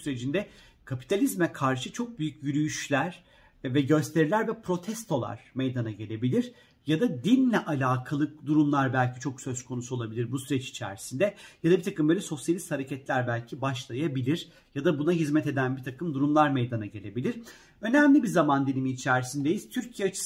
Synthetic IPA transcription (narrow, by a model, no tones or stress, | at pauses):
syɾed͡ʒind̪ɛ | kʰapi̥t̪ʰalʲizmɛkʰaɾʃɯt͡ʃʰo̞k̚byjycjyɾyjyʃlʲæɾ̥ | vɛɟø̞st̪ʰe̞ɾilʲæɾvɛpɾo̞t̪ʰɛst̪ʰo̞lˠa̰ɾ̥mejd̪anaɟe̞lʲe̞bilʲiɾ | jad̪ad̪inlʲɛʔalʲaːkʰalˠɯk̚d̪uɾumlˠaɾbælʲcit͡ʃʰo̞ksø̞skʰo̞nusuo̞lˠabilʲiɾbusyɾɛt͡ʃi̥t͡ʃʰæ̰ɾisind̪ɛjad̪abit̪ʰakɯmbølʲɛso̞sjalʲist̪haɾecʰɛt̪lʲæɾbælʲcʰibaʃlˠajabilʲiɾ | jad̪abunaɦizmɛt̪e̞d̪ænbit̪ʰakɯmd̪uɾumlˠaɾmejd̪anaɟe̞lʲe̞bilʲiɾ̥ | ø̞næmlʲibiɾzamand̪inʲimiːt͡ʃʰæɾisind̪ejiz̥t̪ʰyɾcʰijɛat͡ʃʰɯ̥